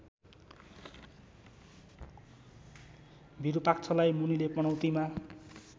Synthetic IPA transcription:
bʱiɾupak̚t͡sʰʌlajmunilepʌñʌwt̪ima

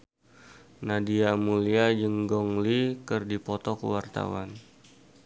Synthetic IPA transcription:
nadiamuliad͡ʒəŋɡɔŋlikərdipɔt̪ɔkə̰wart̪a̰wa̰n

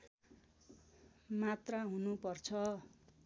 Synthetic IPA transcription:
mat̪raɦunupʌrt͡sʰʌ

